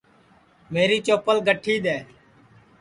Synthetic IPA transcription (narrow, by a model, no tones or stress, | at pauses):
meːɾiːt͡ʃoːpəlɡəʈʰːiːɗ̪eː